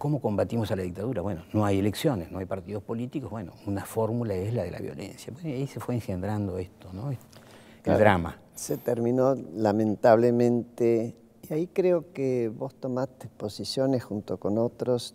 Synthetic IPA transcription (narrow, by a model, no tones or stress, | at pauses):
ko̞mo̞ko̞mbat̪imo̞salaðik̚t̪aðuɾaβwe̞no̞no̞ajeleksjo̞nesno̞ajpaɾt̪iðo̞spo̞lit̪ikoβwe̞no̞̰unafo̞ɾmulaezlaðela̰βjo̞̰lḛnsjaβwenojaise̞fweːŋxend̪ɾand̪o̞est̪ono | ḛld̪ɾama̰ | set̪eɾmĩnolamẽnt̪aβlemẽnt̪e | iaikɾeokeβo̞st̪o̞mat̪e̥posisjo̞nesxunt̪okonot̪ɾos